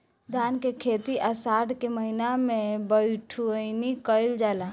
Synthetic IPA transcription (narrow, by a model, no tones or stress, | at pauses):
d̪ʱankekʰet̪iʔəsaɖkeməɦinamebəɪʈʰuənikəɪld͡ʒala